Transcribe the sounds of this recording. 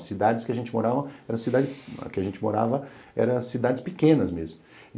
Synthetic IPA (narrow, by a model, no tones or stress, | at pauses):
sid̪ad͡ʒɪskɪɐʒẽnt͡ʃɪmoɾavɐ̃ɛɾɐ̃sid̪ad͡ʒɪɐ̰kɪɐʒẽnt͡ʃɪmoɾa̰vɐɛ̰ɾɐ̃sid̪ad͡ʒɪspɪkẽnɐzmezmʊ̃